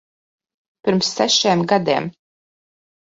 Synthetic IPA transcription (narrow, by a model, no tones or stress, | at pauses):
pʲiɾmsːæʃeːmɡad̪ḛːm